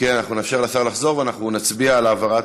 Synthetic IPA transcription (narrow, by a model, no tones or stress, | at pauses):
kenanaχnunefʃeʁlasaʁlaχzo̞ʁveanaχnunat͡sbialaːvaʁat